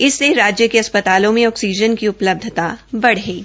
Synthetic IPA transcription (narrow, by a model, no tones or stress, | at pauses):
ɪsːeɾaːd͡ʒjəkeɐspət̪aːlõmẽɔːksiːd͡ʒənkiʊpləb̚d̪ʱt̪abɐɽɦeː